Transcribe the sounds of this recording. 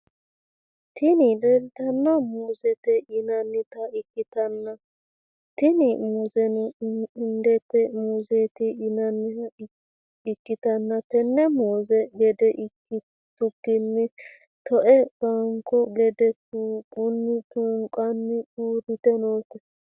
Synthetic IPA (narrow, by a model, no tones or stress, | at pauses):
t̪ʰɪnɪdɛɾɪt̪ɐnːɐmuːzɛt̪ɛʔɪnɐnːɪt̪ɐɪkːɪt̪ɐnːɐ | t̪ɪnɪmʊzɛnɪnd̪ɛtːɛmuːzet̪ɪɪnɐnːɪɐ | ɪkːɪt̪ɐnːɐpɛnːɛmuːzɛɡɛd̪ɛ | ɪ | t̪ʊɡːɪnːɪ | t̪ɔʔɛb̥ɐŋkɔɡɛd̪ɛt̪uːɡʊnːɪt̪ʊŋkʼɐnːɪuːɾɪt̪ɛnoːkːɔ